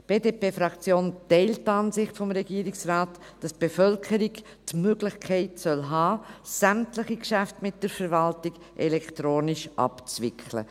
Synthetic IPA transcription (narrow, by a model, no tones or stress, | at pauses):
b̥eːdeːpeːfɾɑkt͡sjoːntɛɪlttːɑːnsɪχtfɔmɾɛɡiːɾɪksraːt | d̥ɑstb̥efœlkʰəɾiɡ | tmøɡlɪxkʰɛɪtsœlɦɑːsæmtlɪχikʃæftmɪt̚d̥əɾfəɾvɑltɪɡ̥ | ʔɛlɛktɾoːnɪʃʔɑ̰pt͡svɪkʰlə̰